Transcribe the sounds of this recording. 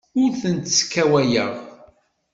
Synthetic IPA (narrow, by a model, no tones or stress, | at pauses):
ʊɾθənt̪sə̥kːæwæjəʁ